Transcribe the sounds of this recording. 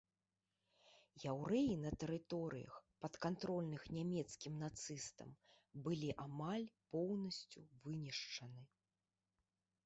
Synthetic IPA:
jawɾɛjinɐt̪ɛɾɨt̪ɔɾɨ̰jɐ̰xpɐt̪kant̪ɾɔlʲnɨxnʲamʲɛt̪skʲimnat̪sɨst̪ɐ̰m | bɨlʲiʔamalʲpɔwnɐsʲt͡sʲuvɨnʲiʂt͡ʂɐnɨ

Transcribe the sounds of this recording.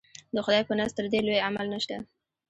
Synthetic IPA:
d̪əxʊd̪ɑjpənast̪əɾd̪elojamalnaʃt̪a

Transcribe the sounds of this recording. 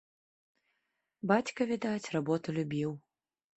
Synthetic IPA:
bat͡sʲkɐvʲid̪at͡sʲrabɔt̪ulʲubʲiw

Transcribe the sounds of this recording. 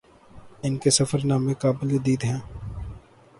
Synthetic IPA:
ɪnkesɐfəɾnaːmẽkaːbɪled̪iːd̪ɦɛ̃ː

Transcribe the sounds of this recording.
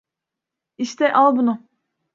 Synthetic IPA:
iʃt̪ʰɛʔalˠbunʊ

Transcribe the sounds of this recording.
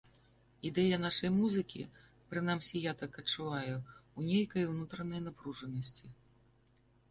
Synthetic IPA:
id̪ɛjɐnaʂɐjmuzɨkʲḭ | pɾɨnamsʲijat̪akɐt͡ʂːuvajuunʲejkɐjwnut̪ɾɐnɐjnapɾuʐɐnɐsʲt͡sʲi

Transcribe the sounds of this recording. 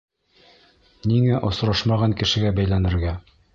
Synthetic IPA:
niŋæʔŏsɾɑʃmɑʁɑŋkɘ̆ʃɘ̆ɡæbæjlænɘ̆ɾɡæ

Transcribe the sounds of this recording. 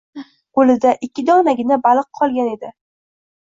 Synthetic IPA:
olɪd̪aʔɪkʲːɪd̪ɒʁnaɡʲɪnabalˠɨqqʰɒlˠɡʲane̞d̪ɪ

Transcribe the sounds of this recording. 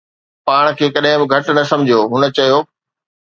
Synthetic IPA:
paːɽ̃kʰeːkɐɗɦɪ̃bɪɡʱɐʈnɐsɐ̃md͡ʑʱijoːɦʊnə̆t͡ɕɐjoː

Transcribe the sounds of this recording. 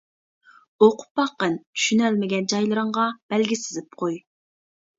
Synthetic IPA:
oqʰʊ̥p̚ːɑqːənt̪ʰy̥ʃynɛlmɪɡʲɛnd͡ʒɑjlˠɨɾɨɴʁɑb̥ɛlɡʲisɪzɪp̚qʰoj

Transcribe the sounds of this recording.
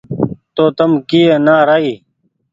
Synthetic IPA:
t̪oːt̪əmkijeːnaːɾaːiː

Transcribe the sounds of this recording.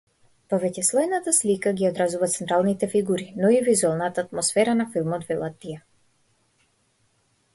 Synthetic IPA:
pɔvɛcɛslˠɔjnat̪aslikaɡiɔd̪ɾazuvat̪sɛnt̪ɾalˠnit̪ɛfiɡuɾinɔivizuɛlˠnat̪aːt̪mɔsfɛɾanafilˠmɔd̪vɛlˠat̪ːijɛ

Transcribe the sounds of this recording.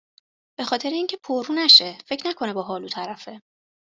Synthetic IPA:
b̥e̞xɒːt̪ʰe̞ɾeiːŋcʰe̞pʰoɾruːnæʃe̞fecʰnækʰo̞ne̞bɒːɦɒːluːt̪ʰæɾæfe̞

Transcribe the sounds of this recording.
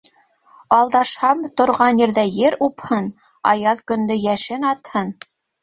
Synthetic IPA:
ɑlˠd̪ɑʃhɑmt̪ŏɾʁɑnjɘ̆ɾðæjɘɾuphɤn | ɑ̰jɑðkɵ̆nd̪ɵjæʃɘnɑt̪hɤn

